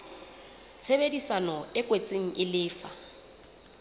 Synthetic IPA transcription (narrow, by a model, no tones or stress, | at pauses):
t͡sʰebedisanɔɪkʼwet͡sʼeŋ̩ʔɪlɪːfa